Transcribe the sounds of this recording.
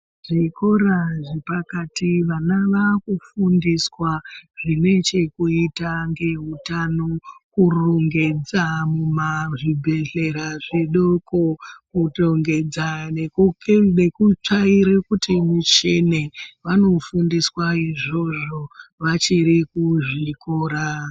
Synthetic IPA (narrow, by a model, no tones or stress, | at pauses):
ʐ̥ikoɾaʐipakatiʋanaʋakufundiswaʐine̞t͡ʃe̞kuitaŋɡe̞ɦutanokuruŋɡe̞d͡zamumaʐibʱe̞ɮe̞ɾaʐeɗo̞ko̞kutoŋɡe̞d͡zaneknekut͡ʂaiɾekutimut͡ʃene̞ʋano̞fundiswaiʐo̞ʐo̞ʋat͡ʃiɾikuʐikoːɾa